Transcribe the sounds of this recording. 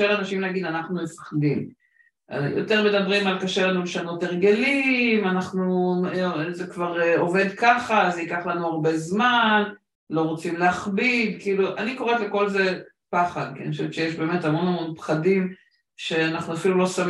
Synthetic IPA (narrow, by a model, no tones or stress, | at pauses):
elanaʃimneaɡid̪anaχnumefḁχd̪im̰ | jo̰te̞ʁme̞d̪abʁimalkaʃelanuleʃano̞teʁɡe̞limanaχnu | zekvaʁeo̞ve̞d̪kaχazeikaχlanuaʁbe̞zman | lo̞ʁot͡simleaχbid̪kiiːluʔaniko̞ʁetleko̞lze̞ | paχad̪̚kḭniχoʃevett͡ʃʃe̞jeʃbe̞ːme̞thamo̞nhamo̞npχadim | ʃe̞anaχnuafilulo̞sam